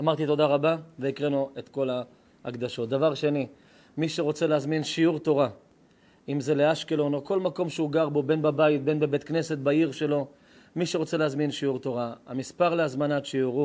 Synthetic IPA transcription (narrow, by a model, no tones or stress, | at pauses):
amaʁt̪it̪o̞d̪aʁabaveikʁenuʔet̪ko̞la | a̰kd̪aʃo̞t̪̚d̪avaʁʃe̞ni | miʃeʁo̞t͡seleazminʃiuʁt̪o̞ʁa | imze̞leaʃkelo̞noko̞lmako̞mʃeuɡaʁbo̞be̞nbabait̪̚be̞nbebe̞t̪kne̞se̞t̪̚baiʁʃe̞lo̞ | miʃeʁo̞t͡se̞leazminʃiuʁt̪o̞ʁaamispaʁleazmanat̪ʃiuʁu